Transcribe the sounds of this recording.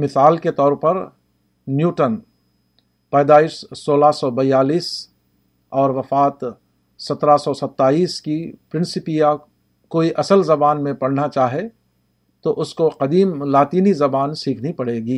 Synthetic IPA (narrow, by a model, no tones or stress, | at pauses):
mɪsaːlket̪ɔːɾpɐɾ | njuːʈən | pɛːd̪aːɪʃsoːlasɔbɐjaːliːs | ɔːɾʋɐfaːt̪ | sɐt̪ɾasɔsɐt̪ːaːiːskipɾɪ̃nsɪpija | koːiʔɐsəlzɐbaːnmẽpɐɽnat͡ʃaːɦe | t̪oʔʊskoqɐd̪iːmlaːt̪iːnizɐbaːnsiːkʰnipɐɽeːɡiː